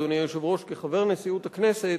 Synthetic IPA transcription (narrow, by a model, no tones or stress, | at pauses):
donjajoʃevʁo̞ʃkeχave̞ʁnesiut̪aknese